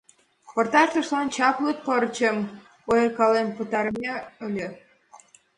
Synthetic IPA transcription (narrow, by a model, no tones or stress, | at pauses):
port̪ɑʃt̪əʃlɑnt͡ɕɑpluk̪̚pəɾt͡ɕəm | ojekɑlempət̪ɑɾəmʲeølʲe